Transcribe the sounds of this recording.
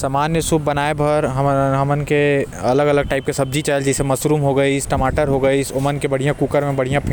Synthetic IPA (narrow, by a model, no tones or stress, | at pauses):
samaːnːjesuːb̚bɐnaːebʱɐɾɦɦɐmənke | ɐləɡɐləɡ̚ʈaːɪp̚kesɐb̚d͡ʒit͡ʃaːɪld͡ʒɛsemɐsɾuːmɦoɡɐisʈɐmaːʈəɾɦoɡɐisoːmənkebɐɽ̤ijãkuːkəɾmẽbɐɽ̤ijãpʰ